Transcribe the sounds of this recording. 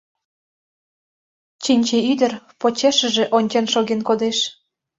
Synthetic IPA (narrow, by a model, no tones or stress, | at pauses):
t͡ɕinʲt͡ɕeyd̪ə̆rpot͡ɕeʃə̆ʒĕʔonʲt͡ɕenʃoɣenkod̪eʃ